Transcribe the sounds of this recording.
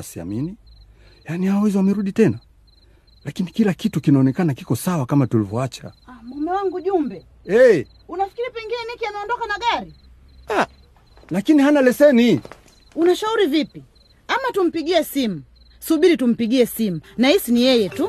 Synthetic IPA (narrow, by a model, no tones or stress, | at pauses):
asia̰mini | janihawɛziwamɛɾuɗitɛna | lakinikilakitukinaɔnɛkanakikɔsawakamatulivɔat͡ʃa̰amwanawaŋɡuʄumbɛ | ɛ | unafi̥kiɾipɛŋɡinɛnikianaɔndɔkanaɠaɾi | a | lakinihanalɛsɛni | unaʃauɾivipi | amatum̩piɡiɛsimu | suɓiɾitum̩piɠiɛsimunahisinijɛjɛtu